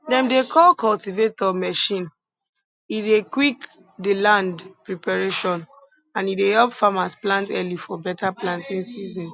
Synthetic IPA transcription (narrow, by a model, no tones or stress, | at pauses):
dɛ̃mdekʰɔlkɔltivetɔmɛʃĩn | idekwik | delãndpɹipaɹeʃɔ̃n | ãnidehɛlpfamasplãntɛlifɔbɛtaplãntĩnsizɔ̃n